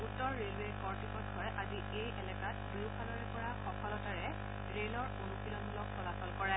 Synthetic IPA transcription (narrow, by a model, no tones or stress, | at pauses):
utːɔɹːelekɔɹtikɔtɡʰʱɔɹɛʔazi | ejʔɛlɛkat̚biwpʰalɔɹɛpɔɹaxɔkʰɔlɔtaɹɛ | ɹelɔɹunukilɔnlɔksɔlasɔlkɔɹɛ